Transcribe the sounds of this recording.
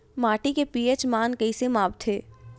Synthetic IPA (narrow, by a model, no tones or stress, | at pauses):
maːʈikepiːet͡ʃmaːnkɐisemaːbt̪ʰːeː